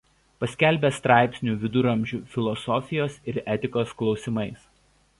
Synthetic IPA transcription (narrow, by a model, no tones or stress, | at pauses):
pɐsʲkʲæˑlʲbʲɛst̪ɾɑˑɪpʲsʲnʲuʋʲɪd̪ʊɾɐmʲˑʒʲuːfʲɪlˠɔsɔfʲɪjoːsɪɾɛt̪ʲɪkoːsklˠɒʊsʲɪmɐɪs